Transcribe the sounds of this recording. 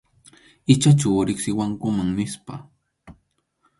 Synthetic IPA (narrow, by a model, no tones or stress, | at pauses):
ɪt͡ʃat͡ʃawɾɪksɪwaŋkʊmaŋnɪspa̰